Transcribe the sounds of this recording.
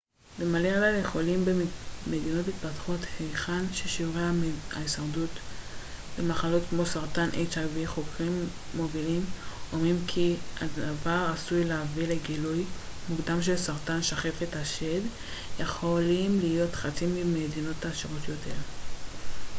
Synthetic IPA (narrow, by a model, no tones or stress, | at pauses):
bemalealalje̞χo̞limbeme̞dino̞tit̚patχothejχanʃeʃivʁeaa̰isaʁdut | bemaχalo̞tkmo̞saʁtanʔḛjt͡saviχo̞kʁimː | o̞vilimomimkʰia̰davaʁasujleavileɡilujmuɡd̪amʃelsaʁtanʃaχe̞fetaʃe̞d | jeχo̞limlijo̞tχat͡simimedino̞taːʃiʁotjo̞te̞ʁ